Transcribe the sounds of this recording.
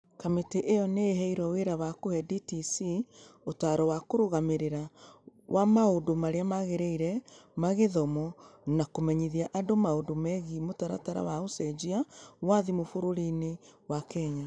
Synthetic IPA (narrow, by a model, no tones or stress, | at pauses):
kameteʔejɔneːɦɛiɾɔweɾawakohɛditisiotaːɾɔwakoɾoɣameɾeɾawʔamaodomaɾeamaɣeɾɛiɾɛmaɣeðɔmɔnakomɛɲiðiaʔandomaodomɛɣimotaɾa̰taɾa̰waosɛd͡ʒiawaðimofoɾoɾinewakɛɲa